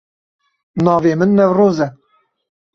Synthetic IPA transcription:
nɑːveːmɨnːɛvroːzɛ

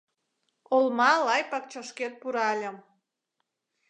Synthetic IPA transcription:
olmɑlɑjpɑk̚t͡ɕəʃket̪̚puɾɑlʲə̆m

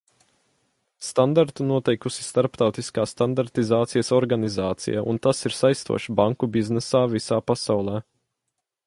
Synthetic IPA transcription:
st̪and̪aɾt̪unuɔt̪ɛjkusi̥st̪aɾpt̪awt̪iskaːsːt̪and̪aɾt̪izaːt̪sijəsɔɾɡanizaːt̪sḭjaṵnt̪asiɾsajst̪ṵɔʃibaŋkubiznɛsaːvisaːpasawlˠɛː

